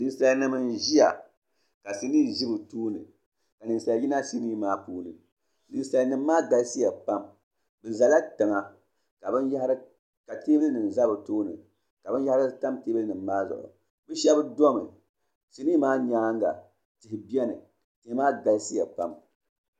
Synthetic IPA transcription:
nɨ˨n˦sa˦lnɨ˦mɨ˦nʒi˦ja̰˨ | ka˨si˦niː˦˨ʒi˦bɨ˨toː˦nɨ̰˨ | ka˨nɨ˨n˨sa˨lji˦na˦ʃi˦ni˦maː˦puː˦nɨ̰˨ | nɨ˨n˨sa˨lnɨ˨mː˦aː˦ɡa˨lsi˦ja˨pa˦m | bɨ˨za˨la˦tɨ˨ŋa˨ | ka˨bɨ˦nja˦ha˦ɾɨ˦ | ka˨te˦bɨ˦lɨ˦nɨ˨n˨za˦bɨ˨toː˦nɨ̰˨ | ka˨bɨ˦n˦a˦ha˦ɾɨ˦ta˦mteː˦bɨ˦lnɨ˨mː˦aː˦zʊ̰˨ʔʊ̰˨ | bɨ˦ʃɛ˦bɨ˦do˦mɨ̰˨ | si˨ni˦maː˦ɲaː˦ŋɡa̰˨ | tɪ˨hɪ˨bi˦ɛ˦nɨ̰˨ | tɨ˨˦maː˦ɡa˨lsi˦ja˨pa˦m

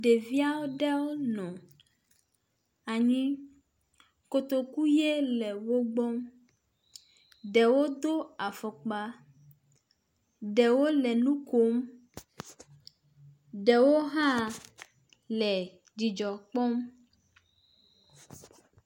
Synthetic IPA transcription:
ɖe˨vi˦a˦wo˦ɖɛ˦wo˦nɔ̃˨ | a˨ɲĩ˦ | ko˨t̪o˨ku˦je˦lɛ˨wo˦ɡ͡bɔ˦m | ɖɛ˨wo˦d̪o˦a˨fɔ˨k͡pa˦ | ɖɛ˨wo˦lɛ˨nũ˦ko˦m | ɖɛ˨wo˦ɦã˦ | lɛ˨ | d͡ʑi˨d͡ʒɔ˨k͡pɔ˦m

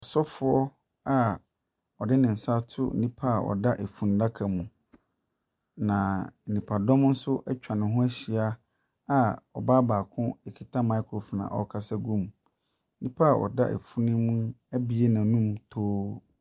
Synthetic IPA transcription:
ɔ˨sɔ˦fʊ˨ɔ˦ | a˨ | ɔ˨dɪ˦nɪ̃˨n̩˨sa˦tʰʊ̰˦˨nĩ˦pʰa˦a˨ɔ̰˨da˦ʔe˨fũ˨n˦da˦kʰã˨mũ˨ | nã˨nĩ˨pʰa˨dɔ̃˦mn̩˦sʊ˦ʔɛ˦t͡ɕᶣa˨nɪ̃˨ɦʊ̃˦æ˦ɕi˨a˦ | a˨ɔ̰˨baː˦baː˨kʰʊ̃˦e˨kʰi˨tʰa˦mã˨˦kʰo˨fɔ˨nã̰˨ʔɔ̰˦kʰa˦sɛ˦ɡũ˦˨m̩˦ | nĩ˦pʰa˦a˨ʔɔ̰˨da˦ʔḛ˨fu˦nɪ̃˦mũ˦æ˦bi˨e˦nã˨nũ˦mtʰoː˦

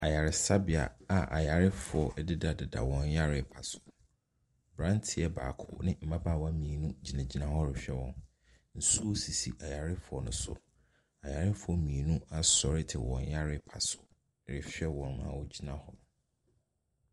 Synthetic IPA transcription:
a˨ja˨ɾɪ˨sa˦bɪ˨a̰˨a˨ʔa̰˨ja˨ɾɪ˦fʊ˨ɔ˨ʔdɪ˦da˨dɪ˨da̰˨wɔ̃˨n˦ja˦ɾɪ˨pʰa˨sʊ̥˨ | bɾã˦ntʰɪ˦ɛ˨ba̰ː˨kʰʊ̰˦nɪ̃˦m̩˨ba˦baː˦˨wa˦mĩ˨e˨nũ˦d͡ʑi˨nã˨d͡ʑi˦nã˨hɔ˦ɾɪ˨ɕᶣɛ˦wɔ̰̃˨n | n̩˨su˦o˦si˨si˨ʔa˨ja˨ɾɪ˦fʊ˨ɔ˨nʊ̃˦sʊ̰˨ | a˨ja˨ɾɪ˦fʊ˨ɔ˨mĩ˨e˨nũ˦a˨sɔ˨ɾɪ˦tʰɪ˨wɔ̰̃˨nja˦ɾɪ˦pʰa˨sʊ̥˨ | ɾɪ̰˨fᶣɥɛ˦wɔ̃˨nmã̰˨wɔ˦d͡ʑi˦nã˦hɔ˦

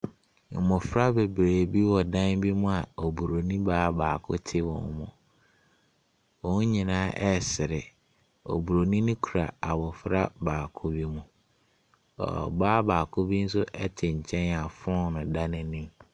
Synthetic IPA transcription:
mʊ̃˨fɾa˦be˨bɾeː˨bi˦wɔ˨dã˦nbi˦mũ˦a˨ɔ˨bu˨ɾo˨nĩ˦baː˦baː˨kʰʊ̰˦tʰɪ˦wɔ̃˨n˨˦mʊ̰̃˨ | wɔ̃˨nũ˦ɲĩ˨nãː˦ʔɛ˦sɪ˨ɾɪ˨ | ɔ̰˨bu˨ɾo˨nĩ˦nʊ̃˦kʰu˨ɾa̰˨a˨bɔ˨fɾa˦baː˨kʰʊ˦bi˦mũ˦ | ɔ̰˨baː˦baː˨kʰʊ˦bi˦n̩˦s̬ʊ˦ʔɛ˦tʰɪ˨ɲ̩˨t͡ɕʰɛ̃˦na˨fʊ̃˦nʊ̃˨da˦nɪ̃˦nĩ˦m

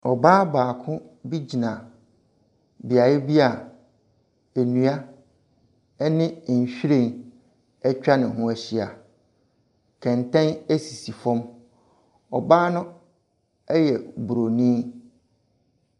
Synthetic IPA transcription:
ɔ˨baː˦baː˨kʰʊ̃˦bi˦d͡ʑi˨nã˨ | bi˨a˨jɪ˦bi˦a˨ | e˨nũ˨˦a˦ | ɛ˦nɪ̃˦˨ɲ̩˨ɕᶣi˦ɾẽ˦˨n | ɛ˦t͡ɕᶣa˦nɪ̃˨ɦʊ̃˦æ˦ɕi˦a˨ | kʰɛ̃˨ntʰɛ̃˦næ˦si˨si˨fɔ̃˦m | ɔ˨baː˦nʊ̃˦ | ɛ˦jɛ˨bu˨ɾo˨nĩ˦

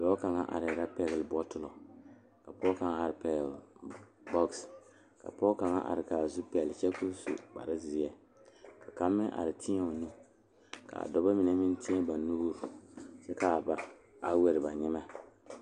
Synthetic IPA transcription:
lɔ˦ka˨ŋa˦ʔa̰˨ɾɪ˨ɾa˦pɛ˦ɡɪ˨lbɔ˦tʊ˦lɔ˨ | ka˨pɔː˦ka˨ŋa˦a˨ɾɪ˨pɛ˨˦ɡl | bɔ˦ks | ka̰˨pɔ˦ka˨ŋa˦ʔa̰˨ɾɪ˨ka˨zu˦pɛ˨lt͡ʃɛ˦ku˦sṵ˨k͡pa̰˨ɾa˦zɪ˨ɛ˨ | ka˨ka˨mːɪ˦ŋʔa̰˨ɾɪ˨tʰi˦ɲɛ˦o˨nu˦ | ka̰˨a̰˨dɔ˨ba˦mɪ˨nɛ˦mɪ˦n˦ti˦ɛ˦ba˨nuː˦ɾu˨sɛ˦ka˨ba̰˨ | a˦we˦ɾɪ˨ba˨ɲɛ˦ma˦

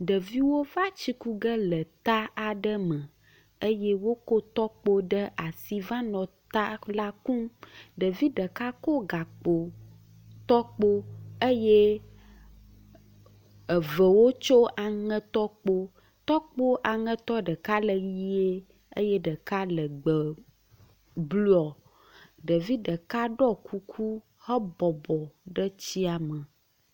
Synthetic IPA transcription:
ɖə˨vi˦wo˦va˦t͡ɕi˦ku˦ɡə˦lə˨t̪a˦a˨ɖə˦mə̃˨ | ə˦jɛ˦wo˦ko˦t̪ɔ˦k͡po˦ɖə˦ʔa˨si˨va˦nɔ̃˨t̪a˦la˦kũ˦ɖə˨vi˦ɖə˨ka˦ko˦ɡa˨k͡po˨ | t̪ɔ˦k͡po˦ə˦je˦ | ə˨və˨wo˦t͡ʃo˦a˨ŋɛ̃˦t̪ɔ˦k͡po˦ | t̪ɔ˦k͡po˦ʔa˨ŋə̃˦t̪ɔ˦ɖə˨ka˦lə˨ji˦e˦ | ḛ˦je˦ɖə˨ka˦lə˨ɡ͡bə˨ | blu˦ɔ˨ | ɖə˨vi˦ɖə˨ka˦ɖɔ˦kʰu˦kʰu˦ | hə˦bɔ˨bɔ˨ɖə˦t͡ɕi˦a˨mə̃˨

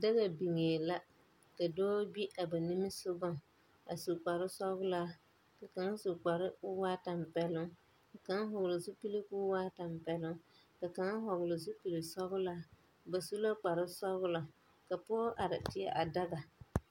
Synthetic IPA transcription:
da˦ɣa˨bi˨ŋeː˨la˦ | ka˨dɔː˦bi˦ʔa˨ba˨ni˦mɪ˦sʊ˦ɡʊ˦ŋ | a˨su˨k͡pa˨ɾɪ˦sɔ˦ɣʊ˦laː˦ | ka˨ka˨ŋa˦su˨k͡pa˨ɾɪ˦ʊ˦waː˦ta˨m˨pɛ˦lʊ˦ŋ | a˨ka˨˦ŋ˦ɦɔ˨ɣlɪ˨su˦pi˦le˦kuː˦waː˦ta˨mpɛ˨lʊ˦ŋ | ka˨ka˨˦ŋ˦ɦɔ˨ɣlɪ˨s̬u˦pi˨lɪ˨sɔ˦ɣʊ˦laː˦ | ba˨su˦la˦k͡pa˨ɾɪ˦sɔ˦ɣʊ˦la˨ | ka˨pʊ˦ɔ˦ʔa˨ɾɪ˨tɪ˨a̰˨ʔa˨da˦ɣa˨

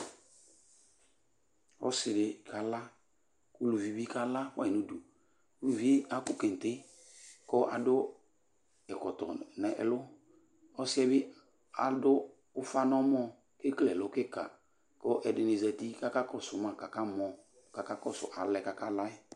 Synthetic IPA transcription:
ɔ̰˦sɪ˨dɪ˨ka˨la˦ | ku˦lu˨vi˨bi˦ka˦la˦wa̰˦˨i˨nu˦du˨ | ku˦lu˨vi˦a˦kʊ˦ke˨n˨tɪ˦ | kɔ˦ʔa˨dʊ˦ | ɛ˨kɔ˨tɔ̰˨nɛ˨ʔɛ̰˨lʊ˦ | ɔ˦sɪ˦ɛ˦bɪ˦ | a̰˨dʊ˦ | ʊ˦fa˦nɔ˦mɔ˦ | kɪ˦klɛ˨lʊ˦kɪ˦ka̰˨ | kɔ˦ʔɛ˨dɪ˨nɪ˨zɛ˨ti˦ka˦ka˦kɔ˦sʊ˨mã˨ka˨ka˦mɔ˨ | ka˨ka˦kɔ˦sʊ̰˨ʔa̰˨lɛ˨ka˨ka˦la˦ɪ˦

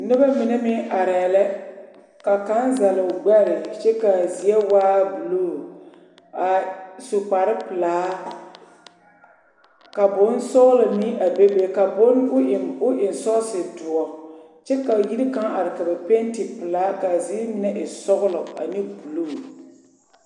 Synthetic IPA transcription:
nɪ˦ba˦mɪ˨nɛ˦mɪ˦ʔa˨ɾɛ˨lɛ˦ | ka˨ka˦nza˨lɪ˨ʊ˨ɡ͡bɛ˦˨lɪ˨t͡ʃɛ˦ka˨zi˨ɛ˦waː˦bu˨lo˦˨ | a˨sʊ˨k͡pa˨ɾɪ˦pɨ˨laː˨˦ | ka˨bʊ˦n˦sɔ˦ɣʊ˦lɔ˨ni˦a˨be˦be˦ka˨bʊ˦n˦ʊ˦ʔɪ˨mʊ˦ʔɪ˨n˨sɔ˦sɪ˨dʊ˨ɔ˨ | t͡ʃɛ˦ka˨ji˦ɾi˦ka˦ŋʔa˨ɾɪ˨ka˨bɛ˨pe˦ntɪ˨pɨ˨laː˦ka˨zi˦mɪ˨˦nɛ˦ʔɪ˨sɔ˦ɣʊ˦lɔ˨a̰˨nɪ˦pu˨lo˦˨

